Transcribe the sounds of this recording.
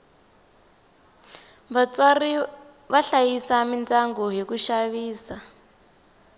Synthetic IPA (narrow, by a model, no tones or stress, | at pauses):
βat͡swari | βaɬajisamintʼaŋɡɔɦikuʃaβiːsa